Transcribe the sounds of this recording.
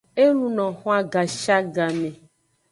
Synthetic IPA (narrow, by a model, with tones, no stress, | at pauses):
e˦nũ˦nɔ̃˨xɔ̃˦a˦ɡa˨ʃa˦ɡa˨mẽ˨